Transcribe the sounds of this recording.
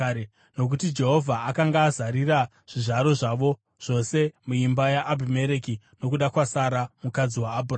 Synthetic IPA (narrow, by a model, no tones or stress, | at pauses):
no̞k̬utid͡ʒe̞ɦo̞vʱaakaŋɡaːzaɾira | ʐ̥iʐaɾo̞ʐaʋo̞ | ʐ̥o̞se̞muimbajaʔːbʱime̞ɾeki | no̞kuɗakwasaɾamukad͡ziwaːbʱura